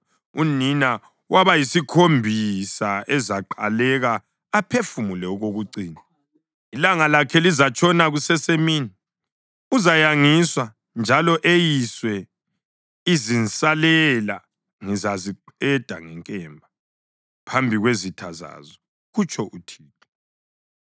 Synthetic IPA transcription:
unina | waβajisikʰombʱisaɛzaǃa̰lɛɣaː | pʰefumulɛuɣoɣuǀiːna | ilaŋalakʰɛlizat͡ʃʼɔnaɣusɛsemiːni | uzajaŋiswa | nd͡ʒʱalɔʔejiswɛ | izinsʼalɛla | ŋizaziǃɛd̥ʱa̰ŋɛŋkʼɛmbʱa | pʰambʱiɣwezitʰaza̰zɔ | ɣut͡ʃʰʼɔʔutʰiːtʰɔ̥

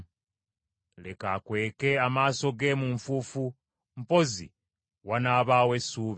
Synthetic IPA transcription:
lekakwe̞ːke̞amaːso̞ɡe̞muɱfufu | m̩po̞zḭ | wanaːβaːwe̞suːβi

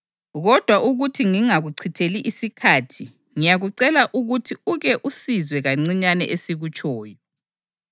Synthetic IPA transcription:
ɣɔd̥ʱwaʔuɣutʰiŋiŋaɣuǀʰitʰeliʔisikʰaːtʰi | ŋijaɣuǀɛlaʔuɣutʰiuɣɛʔusizwɛɣaŋ͡ǀiɲanɛʔesiɣut͡ʃʰʼɔːjɔ

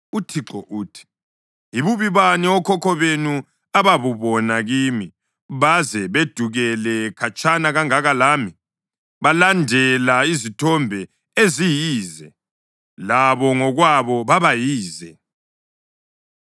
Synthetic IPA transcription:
utʰiǁɔʔuːtʰi̥ | iβuβiβaniɔkʰɔkʰɔβenu | aβaβuβɔnaɣiːmi | βazɛβed̥ʱuɣɛlɛkʰat͡ʃʰʼanaɣaŋaɣalaːmi | βalandʱɛlaizitʰɔmbʱɛ | ezijiːzɛ | laβɔŋɔɣwaβɔβaβajiːzɛ

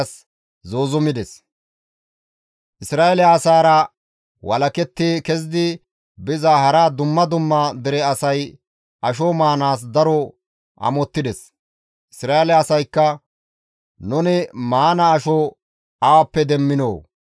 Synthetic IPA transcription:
s | zoːzʊmɪd̪ɛs | ʔɪsɾaːɛlɪaːsaːɾɐ | wɐ̰lɐkɛt̪ːiːkɛzd̪ɪ | bɪzahɐɾaːd̪ʊmːɐd̪ʊmːɐd̪ɪɾɛɐsɐj | ʔɐʃ̬ɔmaːnaːs̬d̪ɐɾɔ | ʔɐ̰mɔt̪ːɪd̪ɛs | ʔɪsɾaːelɪaːsɐjkːɐ | nʊnɪmaːnɐːʃɔ | ɐwɐpːɛd̪ɛmːɪnoː

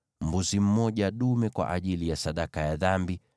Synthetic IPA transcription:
m̩buzim̩mɔʄaɗumɛkwa̰ʔaʄilijasaɗakajaðambi

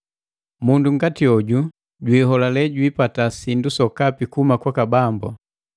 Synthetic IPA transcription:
munduŋ̩ɡatiɔɟu | ɟwiɦɔlalɛɟwiːpatasindusɔkapikumakwakabambɔ̰

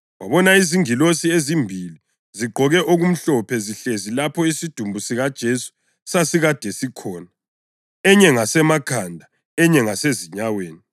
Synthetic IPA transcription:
waβɔnaiziŋilosiezimbʱili | ziɡ͡ǃʱɔɣɛʔoɣum̩ɬɔpʰɛziɬezilapʰɔisid̥ʱumbʱusiɣad̥ʒ̥ʱesu̥ | sasiɣad̥ʱɛsikʰɔːna | ɛɲɛŋasɛmakʰandʱa | ɛɲɛŋaseziɲaweːni

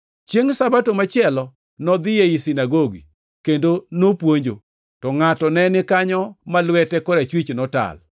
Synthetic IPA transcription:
t͡ʃjeŋsabatomat͡ʃɪɛlɔ | nɔd̪ɪjeisinaɡoɡḭ | kendonopwoɲd͡ʒo | tɔŋatɔnɛnɪkaɲɔmalwɛtɛkɔɾat͡ʃwit͡ʃnɔta̰l

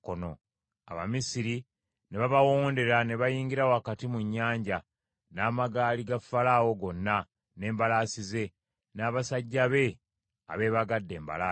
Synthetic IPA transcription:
kono̰ | a̰βa̰misiɾi | ne̞βaβawoːnde̞ɾane̞βajiːɲɡiɾawoakatimuɲːaːɲɟa | naːmaɡaːliɡafːalawo̞ɡo̞nːa | ne̞ːmbalaːsize̞ | naːβasaɟːaβe̞ | a̰βe̞ːβaɡadːe̞ːmba̰laː

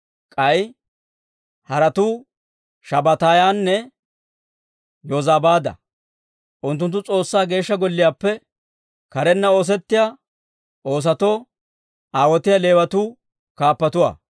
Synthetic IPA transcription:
kʼɐj | hɐɾɐt̪uː | ʃɐbɐt̪aːjaːnːɛ | joːzaːbaːd̪ɐ̰ | ʔʊnt̪̬ːʊnt̪ːʊt͡sʼo̞ːsːaːɡe̞ːʃːɐɡɔlːɪjaːpːɛ | kɐɾɛnːɐo̞ːs̬ɛt̪ːɪjaː | o̞ːs̬ɐt̪o̞ː | aːwɔt̪ɪjɐle̞ːwɐt̪uː | kaːpːɐt̪ʊwa̰ː

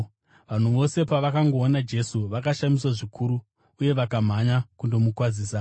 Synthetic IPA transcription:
ʋan̤uʋo̞se̞paʋakaŋɡo̞ːnad͡ʒe̞suʋakaʃamiswaʐikʰuɾu | uje̞ʋakam̤aɲakundo̞mukwad͡ziːsa

